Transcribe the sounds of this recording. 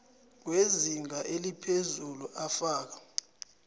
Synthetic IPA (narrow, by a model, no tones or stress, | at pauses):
k̬weziŋaʔelipʰezuluʔafaːk̬ḁ